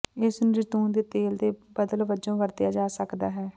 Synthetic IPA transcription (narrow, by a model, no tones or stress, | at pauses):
ɪsnɾɪt̪uːnd̪eːt̪eːld̪eːbəd̪əlʋəd͡ʒõːʋəɾd̪ɪjaːd͡ʒaːsəkd̪aːɦɛː